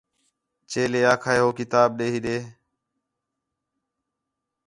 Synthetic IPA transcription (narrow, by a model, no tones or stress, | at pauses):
t͡ʃeːleːaːkʰaːeːɦoːkɪt̪aːɓɗeːɦiːɗeː